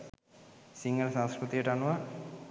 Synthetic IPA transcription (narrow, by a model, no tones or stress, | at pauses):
siŋɡɐlsãwskɾut̪ijɐʈaːɳːuʋa